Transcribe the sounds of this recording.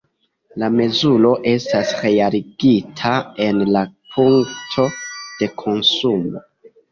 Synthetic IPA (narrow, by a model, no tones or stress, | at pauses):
lame̞zulo̞ʔe̞stasɾe̞jaliɡitʰae̞nlapʰuŋktʰo̞d̥e̞kʰo̞nsumo̞̰